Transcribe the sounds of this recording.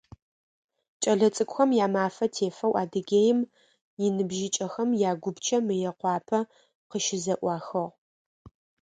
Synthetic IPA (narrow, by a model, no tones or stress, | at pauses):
t͡ʃʼɐɮɐt͡sʼɨkʷʼxɐmjaːmaːfɐtʰeːfɐwʔaːdɨɡʲeːjɪm | jɪnɨbʒɪt͡ʃʼɐxɐmjaːɡʷʊbt͡ʃʰɐmɨjɛqʷɑːpʰɐ | qəʃɪzɐʔʷɑːxɐʁ